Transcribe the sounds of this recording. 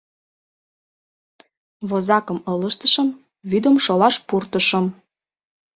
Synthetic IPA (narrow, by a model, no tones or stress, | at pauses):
βozɑkə̆mɤləʃt̪ə̥ʃəm | βyd̪əmʃolɑʃpurt̪əʃə̆m